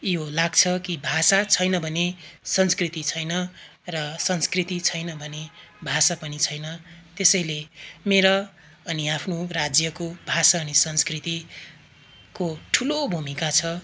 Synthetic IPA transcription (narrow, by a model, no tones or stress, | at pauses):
jolaɡt͡sʰʌkibʱasat͡sʰʌjnʌbʱʌnesʌnskrit̪it͡sʰʌjnʌ | rʌsʌnskrit̪it͡sʰʌjnʌbʱʌnebʱasapʌnit͡sʰʌjnʌt̪esʌjlemeɾʌː | niapʰnorad͡zjʌkobʱasaʌnisʌnskrit̪i | koʈʰulobʱumikat͡sʰʌ